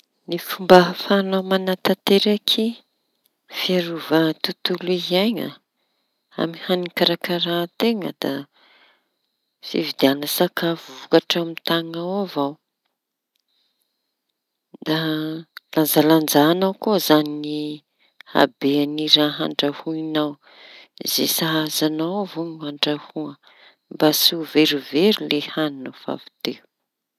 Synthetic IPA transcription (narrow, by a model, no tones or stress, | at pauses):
nifumbafanawmanat̪at̪eɾakʰi | fiaɾuvat̪ut̪uluizajɲə̰ | a̰mihanikaɾakəɾat̪eŋə̰d̪a | fivid̪eianəsakavuvukaʈ͡ʂamit̪aŋawavaw | d̪aland͡zaland͡zaːnawkuzanini | ha̰beaniraɦa̰ɳɖ͡ʐahuinaw | izḛsaɦazanawavoɲuaɳɖ͡ʐahuə | mbasuveɾuveɾilehaninəfa̰vi̥t̪eu